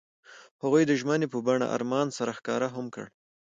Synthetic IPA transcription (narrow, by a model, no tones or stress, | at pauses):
haɣujd̪əʒmənepəbaɳa̰ʔa̰ɾmɑnsaɾaxkɑ̰ɾaɦamkə̰ɽ